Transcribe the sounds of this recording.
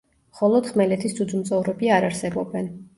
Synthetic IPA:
mχɔlˠɔd̪̥χmɛlɛt̪ʰisd̪sʰud̪zumt̪sʼɔvɾɔbiaɾaɾsɛbɔbɛn

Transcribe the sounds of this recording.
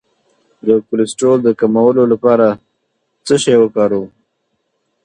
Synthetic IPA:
d̪əkʊlɪsʈold̪əkamawəlolapɑɾa | t͡səʃajwəkɑɾu

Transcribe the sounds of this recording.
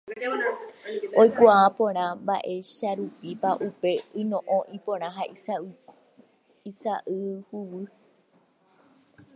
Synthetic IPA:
ojkʷaapõɾ̃ãmbaʔe̞ʃaɾupipaʔupe̞ɨnõʔõʔipõɾ̃ãɦai | isaʔɨhuwɨ

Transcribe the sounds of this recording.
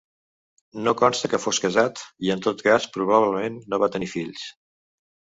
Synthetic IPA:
nokɔnst̪əkəfoskəzat̪iənt̪ot̪kaspɾuβ̞aβləmenːoβat̪ənifiʎs

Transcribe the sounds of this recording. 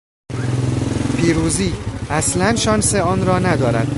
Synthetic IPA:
pʰiːɾuːziːæslænʃɒːnseɒːnɾɒːnæd̪ɒːɾæ̰d̪̥̚

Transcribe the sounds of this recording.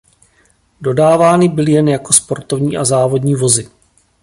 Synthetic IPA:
do̞daːvaːnɪbɪlɪjɛnjako̞spo̞ɾt̪o̞vɲiːʔazaːvo̞dɲiːvo̞zɪ

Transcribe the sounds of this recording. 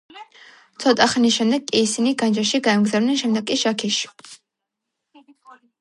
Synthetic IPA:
t̪sʰɔt̪ʼaχanisʃɛmd̪ɛɡkʼːiːsiniɡand͡ʒaʃiɡaɛmɡzavnɛnʃɛmd̪ɛɡ̚kʼiʃakʰiʃi̥

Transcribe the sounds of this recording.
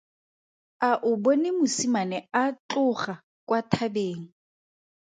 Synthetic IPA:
aʔʊbɔnɪmʊsimanɛat͡ɬʊχa | kʼwatʰabeːŋ̩

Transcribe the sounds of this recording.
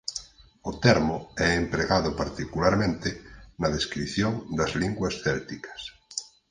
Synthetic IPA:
ot̪ɛɾmoɛempɾeɣaðopaɾt̪ikulaɾmẽnt̪enað̞eskɾiθjoŋd̪azliŋɡwasθɛlt̪ikḁs

